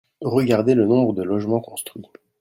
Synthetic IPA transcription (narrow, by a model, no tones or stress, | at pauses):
ʁəɡaʁd̪elənɔ̃bʁəd̪əlɔʒmɑ̃kɔ̃st̪χɥi